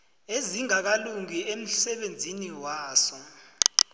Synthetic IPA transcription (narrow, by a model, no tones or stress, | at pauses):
eziŋak̬aluŋiem̩sɛɓend͡zʱiniwaːsɔ